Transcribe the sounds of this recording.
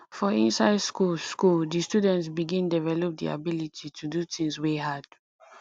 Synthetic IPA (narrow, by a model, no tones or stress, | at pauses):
fɔĩnsaɪdskuskuldistjudɛ̃ntsbiɡĩndivɛlɔp̚dḭa̰bilitʰitʰudutʰĩŋsweɦad̥